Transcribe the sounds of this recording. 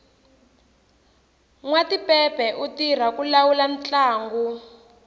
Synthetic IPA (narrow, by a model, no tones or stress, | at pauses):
ŋwatipɛpɛʔutir̤akulawulan̩t͡ɬaːŋɡu